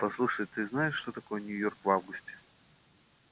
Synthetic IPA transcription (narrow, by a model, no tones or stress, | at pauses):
pɐslˠuʂəjt̪ɨznaɪʂːt̪o̞t̪ɐko̞jənʲʊjo̞rkvavɡʊsʲtʲɪ̥